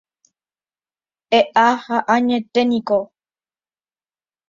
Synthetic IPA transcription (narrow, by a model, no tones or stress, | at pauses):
ɛʔahaʔaɲɛt̪ɛnĩkɔ